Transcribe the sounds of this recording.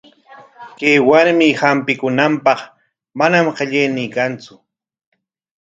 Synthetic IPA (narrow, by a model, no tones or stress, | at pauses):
kejwaɾmɪhampɪkʊnampɑχ | manamqeʎejnɪːkant͡sʊ